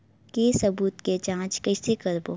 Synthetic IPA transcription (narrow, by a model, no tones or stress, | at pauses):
keːsɐbuːt̪ket͡ʃãːt͡ʃkɐɪsekəɾbo